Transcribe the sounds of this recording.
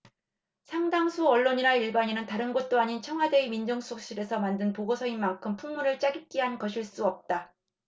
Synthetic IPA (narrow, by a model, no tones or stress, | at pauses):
sʰaŋdaŋsʰuʌɭːoɲiɾaiɭbaɲinɯntaɾɯnɡʌt̚t͈oaɲint͡ɕʰʌŋɦwade̞imind͡ʑʌŋsʰok̚ɕ͈iɾe̞sʰʌmandɯnpoɡosʰʌinmaŋkʰɯmpʰuŋmuɾɯɭt͡ɕ͈aɡip̚k͈iɦankʌɕʰiɭs͈uʌp̚t͈a